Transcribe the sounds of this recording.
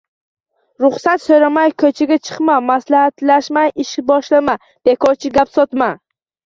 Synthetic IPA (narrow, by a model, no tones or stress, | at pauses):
ɾʊχsat̪sɵɾamajkʰɵt͡ʃʰaɡʲat͡ʃʰɨ̥qmamaslahat̪laʃmajɪʃɪbɒʃlama | d̪̥e̞kʰɒt͡ʃʰɪɡʲapsɒt̪ma